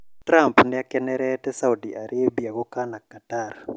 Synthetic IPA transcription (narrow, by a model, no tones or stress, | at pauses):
tɾampnɪakɛnɛɾɛtɛsaudiʔaɾʔebiaɡɔkanakːatar